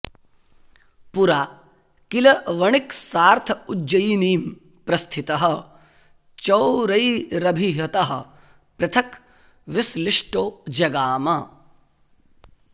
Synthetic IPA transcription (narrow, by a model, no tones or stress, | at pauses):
puɾaː | kilɐʋɐɳiksaːɾt̪ʰɐud͡ʒd͡ʒːɐiniːm | pɾɐst̪ʰit̪ɐɦɐ̆ | t͡ʃɐwɾɐiɾɐbʱiɦɐt̪ɐɦɐ̰̆ | pɾɐt̪ʰɐk | ʋɪslɪʂʈoːd͡ʒɐɡaːma